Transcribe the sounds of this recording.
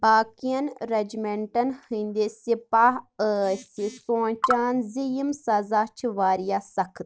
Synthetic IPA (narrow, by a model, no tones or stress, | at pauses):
baːkijɐnɾɐd͡ʒmẽɳʈɐnhĩːnd̪esɪpaːɦəsisõːt͡ʃaːnzijəmsɐzaːt͡ʃʰʋaːɾijaːsɐkʰt̪